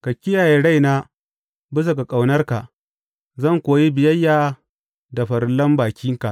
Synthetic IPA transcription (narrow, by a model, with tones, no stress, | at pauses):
kɐ˨kʲːɪ˦jaː˨je˨˦ɽa˦jnaː˦ | bɪ˦s̬a˨ka˨kʼa˨wnɐ˦rka˨ʔ | zɐ˦˨ŋkʷoː˨ji˦bɪ˨jɐ˦jːaː˦ | da˨ɸɐ˨ɾlɐ˦mbaː˨kʲɪ˦ŋka˨ʔ